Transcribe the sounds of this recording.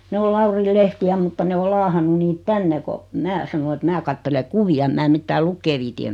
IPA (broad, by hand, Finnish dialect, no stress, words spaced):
ne o lɑuril lehtiæ mutːɑ ne o lɑːhɑnːu niːt tænːe ko mæː sɑno et mæː kɑtːele kuʋiɑ ĕm mæː mitːæː lukːeː ʋiːti em